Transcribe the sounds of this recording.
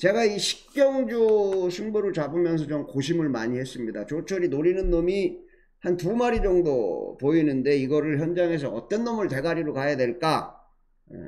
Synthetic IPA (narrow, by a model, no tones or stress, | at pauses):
t͡ɕe̞ɡaiɕʰi̥k̚k͈jʌŋd͡ʑosʰuŋboɾɯɭt͡ɕabɯmjʌns̬ʰʌt͡ɕomkoɕ̬ʰimɯɭmaɲihe̞s͈ɯmɲida̰t͡ɕot͡ɕʰʌɾinoɾinɯnːomi | hantumaɾid͡ʑʌŋdopoinɯnde̞iɡʌɾɯɭçjʌnd͡ʑaŋe̞s̬ʰʌʌt͈ʌnːʌmɯɭte̞ɡaɾiɾokajadwe̞ɭk͈a | jḛ